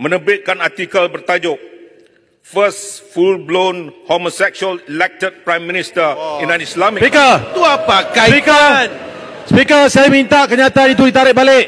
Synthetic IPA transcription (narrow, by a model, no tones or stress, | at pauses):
mə̃nəbɪt̪̚kanart̪ikəlbərt̪ad͡ʒʊk̚ | fəsfulblonhomosɛk̚suəlilɛk̚tət̪̚pɾajmːĩnist̪əinãnislamipikət̪uapakapikənspikəsajamint̪aʔkəɲãt̪aanit̪̬udit̪aɾɪʔ̚baleʔ